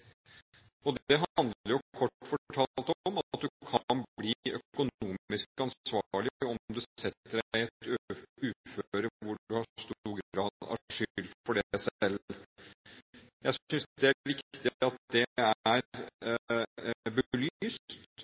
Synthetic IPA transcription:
ɔd̪ɛɦɑɑnd̪əɾjʊkʰɔʈːfɔʈʰɑːlt̪ɔɔmɑt̪̚d̪ʉkʰɑnbliːœkʊnuːmɪsɑnsʋɑːɾɭɪɔmd̪ʉɛt̪ːəɖæɪɛt̪øʉːføːɾəʋʊɖʉhɑst̪uːɾɡɾɑːd̪ɑ̰ʂʏʏlt̪fɔɖæsɛl | jæɪsʏnsd̪ɛæʋɪkt̪ɪɑt̪̚d̪ɛææɾ | bəlyːst̪

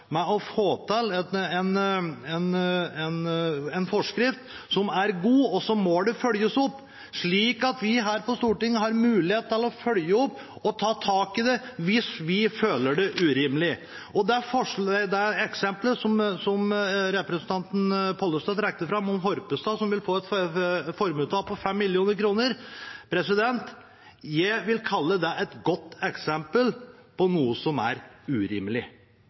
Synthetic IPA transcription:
mɛɔfoːt̪ʰɪlɛɛnɛnɛnɛnfɔʂkɾɪft̪ | sɔmæɾɡuːɔsɔmːɔɖ̪ɛfœljəsɔpː | ʂɭiːkɑt̪ʋɪɦæːɾpɔst̪uːʈɪŋːəhɑɾmʉːlɪheːt̪ɪlɔfœljəɔpː | ɔt̪ʰɑːt̪ʰɑːkɪd̪ɛʋɪsʋɪføːləɖɛʔʉɾɪmlɪ | ɔd̪ɛæɾfɔʂɛd̪ɛɛksɛmpləsɔmsɔmɾɛpɾəsənt̪ɑnt̪n̩pʰɔlːəst̪ɑt̪ɾɛk̚t̪əɾfɾɑmɔmɦɔɾpəst̪ɑsɔmʋɪlfoːɛt̪fɔɾmʉːt̪ʰɑːpʰɔfɛmːɪljuːnəɾkʰɾuːnəɾpʰɾɛsɪd̪ɛnt̪ | jæɪʋɪlkʰɑlːəd̪ɛʔɛt̪ɡɔt̪ːɛksɛmpəlpɔnuːəsɔmæ̰ɾʉɾɪ̰mlɪ

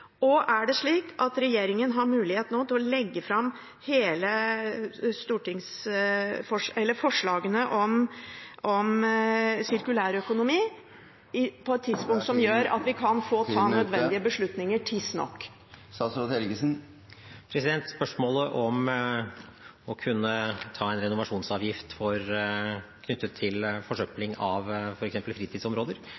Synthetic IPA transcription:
ɔʔæɖɛʂɭiːkʔɑt̪ɾɛjeːɾɪŋənɦɑɾmʉːlɪheːt̪noːt̪ʰɪlɔlɛɡːəfɾɑm | heːlə | st̪uːʈɪŋs | fɔʂɛlːəɾfɔʂɭɑːɡənəʔɔmʔɔm | sɪɾkʉlæːɾœkʊnʊmiː | ɪpʰɔɛt̪ʰːɪd̪spʊŋt̪sɔmjøːɾɑ̰t̪ʋɪkʰɑnfoːt̪ʰɑːnœd̪ʋɛnd̪ɪəbəʂɭʉt̪nɪŋəʈʰɪsnɔ̰kː | sɑsɾot̪ɛlɡəsn̩ | pʰɾɛsɪd̪ɛnt̪spœʂmoːləʔɔm | ɔkʰʉnːət̪ʰɑːɛnɾɛnʊʋɑʂuːnsɑːʋjɪft̪fɔɾ | kʰnʏt̪ːət̪ʰːɪlfɔʂœplɪŋɑʋfɔɾɛksɛmpəlfɾiːt̪ʰiːd̪sɔmɾoːd̪əɾ

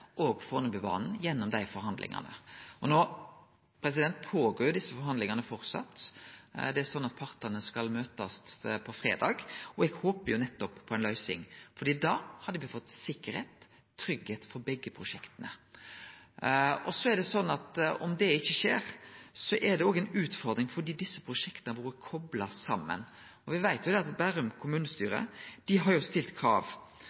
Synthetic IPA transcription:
ʔɔːɡfɔnɔbɪʋɑ̰ːnn̩jɛnːɔmd̪æɪfɔɾhɑnd̪lʔɪ̰ŋɑ̰nə̰ɔnoː | pʰɾɛs̬ɪd̪ɛnt̪pʰoːɡoːɾjʊd̪ɪsːəfɔɾɦɑnd̪ɪŋɑnəfɔɾt̪sɑ̰t̪ː | d̪ɛæɾsɔnːɑt̪̚pʰɑɾt̪ɑnəskɑlmøːt̪ɑst̪pʰɔfɾḛːd̪ɑːɡɔɛɡhoːpəɾjʊnɛt̪ːɔppʰɔɛnlœʏsɪ̰ŋfɔɾd̪iːd̪ɑːhɑd̪ːəʋɪfɔt̪ːsɪkːəɾheːt̪ʰː | ɾʏɡheːt̪fɔɾbɛɡːəpʰʁʊʂɛkt̪ənə̰ | ɔsɔɛd̪ɛsɔnːɑt̪ɔ̰md̪ɛɪçːəʂeːɾsɔʔɛd̪ɛoːɡɛɪnʉːt̪fɔɾd̪ɾɪŋfɔd̪iːd̪ɪsːəpʰɾʊʂɛkt̪ənəbuːɾəkʰɔblɑsɑmːə̰n | ɔʋɪʋæɪt̪jʊd̪ɛɑt̪bæɾʉmkʰʊmʉːnəst̪yːɾə̰d̪̥ɪɦɑɾjʊst̪ɪlt̪kʰɾɑ̰ːʋ

